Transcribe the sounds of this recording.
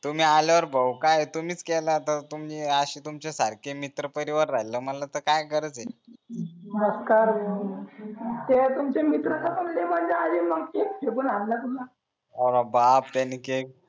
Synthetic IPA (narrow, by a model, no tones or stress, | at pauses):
t̪um̤iːaljaʋəɾbəwkajet̪um̤iːt͡skɛlat̪ət̪umd͡ʑiaɕiːt̪umt͡ɕasaɾkʰemit̪ɾəpəɾiʋəɾːaɦjləːmənlat̪əɾkajkəɾət͡se | əskaɾ | t̪et̪umt͡ɕemit̪ɾəkʰat̪unlemənd͡zead͡ʑeməɡkek̚pepunallat̪uma | əɾabap̚t̪janːiːkek